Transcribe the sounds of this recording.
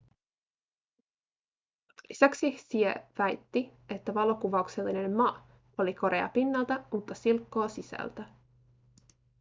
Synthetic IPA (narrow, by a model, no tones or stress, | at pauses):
lisæksisieʋæjt̪ːie̞t̪ːæʋɑlo̞kuʋɑukse̞lːine̞mmɑ | o̞liko̞ɾʔe̞ɑ̰pinːɑlt̪æmut̪ːɑsilkːo̞ːsisæ̰lt̪æ